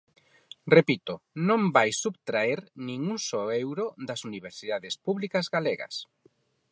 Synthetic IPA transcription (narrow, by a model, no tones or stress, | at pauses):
repit̪ʊnõmbajsːubt̪ɾaeɾnĩŋuŋsɔɛwɾoðɐsuniβ̞eɾsiðaðɪspuβlikɐzɣaleɣɐ̰s